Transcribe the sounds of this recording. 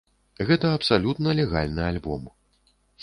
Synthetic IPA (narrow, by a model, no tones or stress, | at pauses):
ɣɛt̪ɐɐpsalʲut̪nɐlʲɛɣa̰lʲnɨalʲbɔm